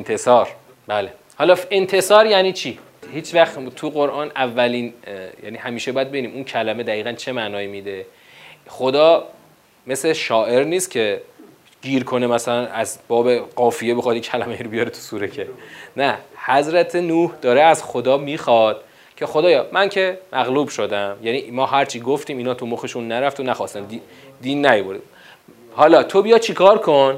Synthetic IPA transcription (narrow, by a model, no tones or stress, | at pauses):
ent̪ʰesɒːɾ | bæːle | hɒːlɒːent̪ʰe̞sɒːɾjæniːt͡ʃʰiː | hiːt͡ʃʰvæxt̪ʰuɣoɾʔɒːnævːæliːnjæ̰ːniːhæmiːʃebɒːjæd̪̚beiniːmuncʰælæme̞d̪æiːɣænt͡ʃʰe̞mæʔnɒːiːmid̪e̞ | χo̞d̪ɒː | me̞sleʃɒːʔe̞ɾniːst̪cʲʰe̞ | ɡ̥iːɾkʰo̞nemæsælænæzbɒːbe̞ɢɒːfijebexɒd̪jicʰælæmejiɾobijɒːɾet̪ʰu̥suːɾecʰenæhæzɾæt̪ʰenuːhd̪ɒːɾeæzxo̞d̪ɒːmiːxɒːd̪̥ | cʰe̞xod̪ɒːjɒːmæncʰe̞mʔæɣluːbʃo̞d̪æmjænimɒːɦæɾt͡ʃʰiːɡoft̪iːmiːnɒːt̪ʰumoxeʃunːæɾæft̪ʰonæxɒːst̪æmd̪i | d̪iːnːæjoboɾd̪im | hɒlɒːt̪ʰo̞bijɒd̪̚t͡ʃʰikʰɒːɾkʰon